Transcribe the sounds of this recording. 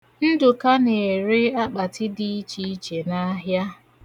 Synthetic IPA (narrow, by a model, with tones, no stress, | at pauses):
n̩˦dʊ˨ka˦ne˨ɾɪ˦a˦k͡pa˨tɪ˦dɪ˦i˦t͡ʃi˦i˦t͡ʃe˨na˦ɦja˦